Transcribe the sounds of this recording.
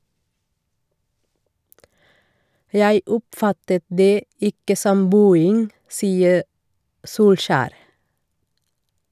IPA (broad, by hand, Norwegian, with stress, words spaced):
ˈjæɪ ˈʊpˌfɑtət ˈdeː ˈɪkə ˈsɔm ˈbʉːɪŋ ˈsiːə ˈsuːlʃæːɾ